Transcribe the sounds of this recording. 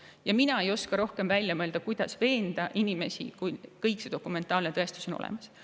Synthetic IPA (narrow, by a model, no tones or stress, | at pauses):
jɑminɑe̞jo̞skɑɾo̞hkemvælʲjɑmɤe̞ld̪̥ɑkujd̪̥ɑsve̞ːnd̪̥ɑʔinime̞sḭkujkɤjksed̪̥o̞kːˑume̞nt̪ːˑɑːlnet̪ɤe̞st̪uso̞no̰lḛmɑs